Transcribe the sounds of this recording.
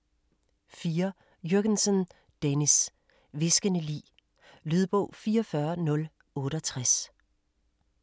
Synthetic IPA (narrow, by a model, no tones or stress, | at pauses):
fiːɐ | jøɡ̥ənsɔn | d̥enis | ʋe̝sɡ̥ənəlḭː | lyð̞ˠb̥ɔ̰ʊ̰fiːɐfɶɐnɔ̽l | ɔ̽ːɾəɒt͡sʰʁas